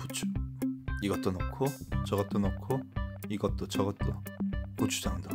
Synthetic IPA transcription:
put͡ɕʰu̥ | iɡʌt͈̚onokʰot͡ɕʌɡʌt͈̚onokʰoiɡʌt͈̚ot͡ɕʌɡʌtt͈oput͡ɕʰu̥d͡ʑʌnndo

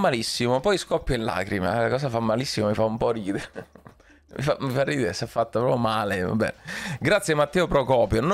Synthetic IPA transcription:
mːalisːimopɔjskɔpːjoinla̰ːkɾima̰lakɔːsafamːalisːimamifaumpɔriːd̪eɾ | mḭfamifarːiːd̪eɾesafːat̪ːapɾɔːpjomaːleva̰bːɛ̰ɡɾat̪sjemat̪ːɛːopɾokɔːpjon

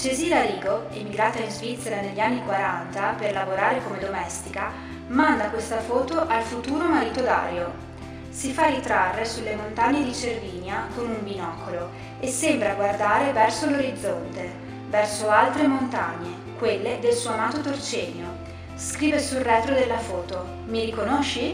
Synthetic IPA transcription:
t͡ʃeziːlaɾiːɡoemiɡɾaːt̪ainzvit̪sːeɾaneʎːianːikwaɾant̪aperlavoɾaːɾekomed̪omɛst̪ika | mand̪akwest̪afɔːt̪oʔalfut̪uːɾomaɾiːt̪od̪a̰ːɾjo | sifarːit̪ɾarːesulːemont̪aɲːed̪it͡ʃerviːnjakonuɱbinɔkʰolo | esːembɾaɡward̪aːɾevɛrsoloɾid̪zːont̪e | vɛrsoalt̪ɾemont̪aɲːe | kwelːed̪elsuamaːt̪ot̪ort͡ʃɛːɲjo | skɾiːvesulrːɛːt̪ɾod̪elːafɔːt̪o | miɾikonoʃːi

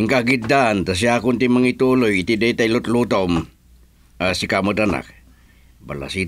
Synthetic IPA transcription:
ŋkahɡit̪̚d̪aːnt̪as̬iakʊnt̪imaŋit̪ulojit̪id̪eit̪ailʊt̪lut̪aum | asikaməd̪ana̰k̚ | ba̰la̰si

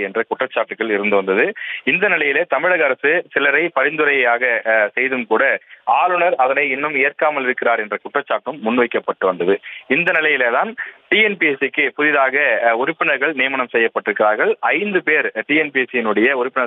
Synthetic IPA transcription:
ɛndrɐkʊʈrɐt͡ʃːaːʈːɯkːɐɭɪɾɯnd̪ɯʋɐnd̪ɐðɯɪnd̪ɐnɪlɐjɪleːt̪ɐmɪɻɐɣɐɾɐsɯsɪlɐɾɐɪpɐɾɪnd̪ɯɾɐjɐjaːɣɐsɛjðɯmkuːɽɐaːlɯɳɐɾɐðɐnɐɪɪnːɯmɪjɐɾkaːmɐlɪɾɯkːɪɾaːɾɛndrɐkʊʈrɐt͡ʃːaːʈːɯmːʊnːʋɐɪkːɐpːɐʈːɯʋɐnd̪ɐðɯɪnd̪ɐnɪlɐjɪleːt̪aːnʈiːɛnpiɛsɪkːɯpʊðɪðaːɣɐʊɾɪpːɪɳɐɾɣɐɭnɪjɐmɐɳɐmsɛjːɐpːɐʈːɪɾɯkːɪɾaːɾɣɐɭɐɪnd̪ɯpeːɾʈiːɛnpiɛsɪjɪnɯɽɐjɐʊɾɪpːɪɳɐ

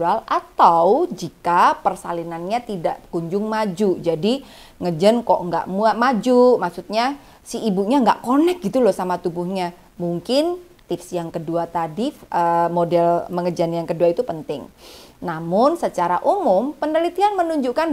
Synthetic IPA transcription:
alʔat̪awd͡ʒikapərsalinanɲat̪idaʔkuɲd͡ʒʊŋmad͡ʒud͡ʒadi | ŋəd͡ʒənkɔʔŋɡa̰ʔmuamad͡ʒumaksut̪̚ɲa | siibuɲaŋɡa̰ʔkonɛk̚ɡit̪ulɔsamat̪ubuhɲa | muŋkɪn | t̪ɪfsjaŋkəduat̪adifʔəmodɛlməŋəd͡ʒanjaŋkəduait̪upənt̪ɪ̰ŋnamʊnsət͡ʃaɾaʔumʊmpənəlit̪ianmənuɲd͡ʒukan

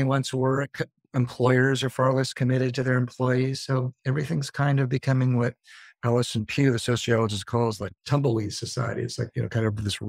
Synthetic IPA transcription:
wʌ̃nswɜ˞k | ɨ̃mpʰl̥ɔɪə˞zə˞fɑɹlɛskʰɨmɪɾɨd̚tʰɨðə˞ɨ̃mpʰl̥ɔɪiz̥soʊɛvɹiθɪ̃ŋz̥kʰãɪ̃ndʌvbɨkʰʌmɪ̃ŋwʌɾælˠəsɨ̃n̩pʰj̥ʉðɨsoʊsiɑlˠəd͡ʒɨzkʰɔlˠzlaɪk̚tʰʌ̃mbl̩ˠiz̥sɨsa̰ɪɨ̰ɾḭɨ̰tslaɪk̚jɨnoʊkʰãɪ̃dʌpʌvðɪs

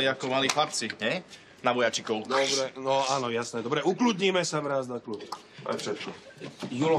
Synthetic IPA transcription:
iakɔmaliːxlap̚t͡siɲɛj | naʋɔjat͡ʃikɔʊd̪ɔbɾɛnɔaːnɔjasnɛd̪ɔbɾɛuklud̪ɲiːmɛsaʋɾaːznaklub | a̰jfʃɛt̪̚kɔjul

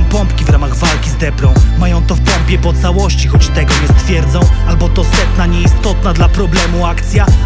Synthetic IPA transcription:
pɔmpkʲivɾamaɣvalkʲizd̪ɛpɾɔ̃w̃majɔ̃w̃t̪ɔfpɔmpʲjɛpɔt̪sawɔɕt͡ɕixɔt͡ɕt̪ɛɡɔɲɛst̪fʲjɛɾd̪zɔ̃w̃albɔt̪ɔsɛt̪naɲɛist̪ɔt̪̚nad̪lapɾɔblɛmuakt̪sʲja

